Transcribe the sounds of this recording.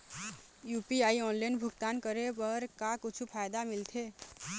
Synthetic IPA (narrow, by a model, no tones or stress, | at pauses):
juːpiaːiɔːnlaɪnbʱʊɡt̪aːnkəɾepəɾkakʊt͡ʃʰupʰaːjd̪amɪlt̪ʰe